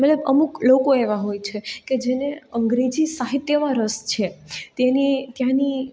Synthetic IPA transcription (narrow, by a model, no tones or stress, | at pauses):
mɛt̪ləbəmuklokoeʋaɦojt͡ʃʰeked͡ʒeneəŋɡɾed͡ʒisaɦit̪jəmãɾəst͡ʃʰet̪enit̪jãni